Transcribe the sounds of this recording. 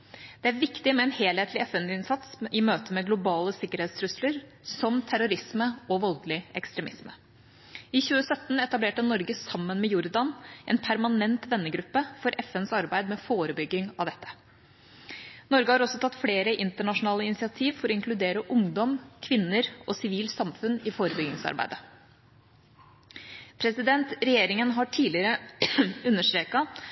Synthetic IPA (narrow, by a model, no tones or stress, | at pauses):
d̪̥ɛæɾʋɪkt̪ɪmɛɛnheːlheːt̪lɪɛfɛnɪnsɑt̪sɪmøːt̪əmɛɡlʊbɑːləsɪkːəɾheːt̪st̪ʰɾʉsləɾsɔmt̪ʰæɾʊɾɪsməɔʋɔlɡlɪʔɛ̰kst̪ɾɛmɪsmə | ɪçʉːəsœt̪ːnɛt̪ɑbleːʈənɔɾɡəsɑmːənmɛjʊɾd̪ɑnʔɛ̰npʰæɾmɑnɛnt̪ʋɛnːəɡɾʉpːəfɔɾʔɛfɛnsɑɾbæɪd̪mɛfoːɾəbʏɡːɪŋɑʋd̪ɛt̪ːə̥ | nɔɾɡəhɑːɾɔsɔt̪ʰɑt̪ːfleːɾəʔɪnt̪əɳɑʂʊnɑːləɪnɪsɪɑt̪ʰiːʋfɔɾɔɪŋkʰlʉd̪eːɾəʔʊŋd̪ɔmkʰʋɪnːəɾʔɔsɪʋiːlsɑmfʉnɪfoːɾəbʏɡɪŋsɑ̰ɾbæ̰ɪd̪ə | pʰɾɛsɪd̪ɛnt̪ɾɛjeːɾɪŋənɦɑʈʰiːlɪɾə | ʉnːəʂʈɾeːkɑ